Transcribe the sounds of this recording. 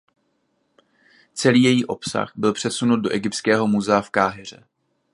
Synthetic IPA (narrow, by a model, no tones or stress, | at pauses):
t͡sɛliːjɛjiːʔo̞psa̰xbɪlpr̝̥ɛsunut̪̚do̞ʔɛɡɪp̚tt͡skɛːɦo̞muzɛafkaːɦɛr̝ɛ̰